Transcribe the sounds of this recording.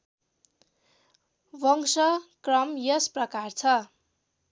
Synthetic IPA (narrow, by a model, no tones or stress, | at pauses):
bʌŋsʌkrʌmjʌsprʌkart͡sʰʌ